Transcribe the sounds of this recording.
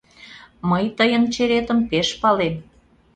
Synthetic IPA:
məjt̪əjənt͡ɕeɾet̪əmpeʃpɑlem

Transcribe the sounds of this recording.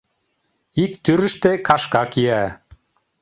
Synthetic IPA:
ik̚t̪yɾɘ̆ʃt̪ekʰɑʃkɑkijæ

